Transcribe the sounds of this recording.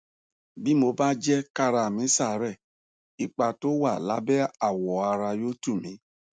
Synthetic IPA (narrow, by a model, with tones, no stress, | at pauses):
bi˦mo˧ba˦d͡ʒɛ˦ka˦ɾa˧˨mĩ˨˦sa˦˨ɾɛ˦˨ | i˨k͡pa˧to˦wa˦˨la̰˨˦bɛ˦a˦˨wɔ˨a˧ɾa˧jo˦tu˦˨mĩ˨˦